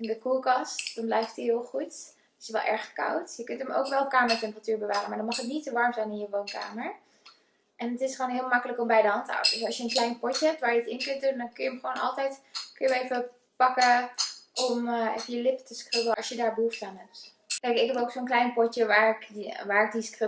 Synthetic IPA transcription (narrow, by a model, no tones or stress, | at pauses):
ɪndəkulˠkɑstd̥ɑnblɛjftiɦɪlˠχut | ɪ̥sʋɛ̰lˠʔɛ̰ɹχka̰wtjəkɵntəmo̰wkʋɛlˠkaːməɹtɛmpəratyːɹbəʋaːrənmaːɹdɔnmɑχətnitsoʋɑɹmzɛjnɪnjəʋownka̰ːməɹ | ʔɛnətɪsχoːnɦɪːlˠmɑkələkɔmbɛjdəɦɑnta̰wdəsɑlˠsjəənklɛjnpɔtjəɦɛp̚tʋaːɹjəətɪnkɵntdundɔnkøjəəmχʋoːnɑ̰lˠtɛjtkøjəʋejfə | pɑkəʔɔmɛ̰fəjəlɪpətəskrɪbləɔsjədaːɹbəɦuftaːnɦɛp̚t | kɛjkɪkɦɛpowksoːnklɛjnpɔtjəʋaːɹɪkʋaːɹɪk̚diskrɪ